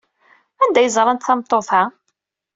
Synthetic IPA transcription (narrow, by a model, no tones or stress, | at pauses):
ænd̪æjəzˤɾˤɑnt̪θɑmt̪ˤːoθæ